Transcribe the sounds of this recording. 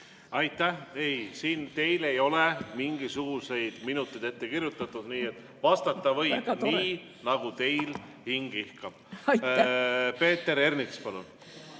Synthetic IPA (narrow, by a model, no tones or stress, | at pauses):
ɑjt̪ːˑæhejsiːnt̪e̞jle̞jo̞le̞miŋɡisuɡ̥use̞jd̪̥minut̪ːˑejd̪̥e̞t̪ːe̞kiɾjut̪ːˑɑt̪ːud̪̥niːe̞t̪ːˑ | vɑst̪ɑt̪ˑːɑvɤjb̥niː | nɑɡ̥ut̪e̞jl | hiŋɡ̥ihkɑb̥̚ | pe̞ːt̪ːe̞ɾe̞rnikspɑlṵn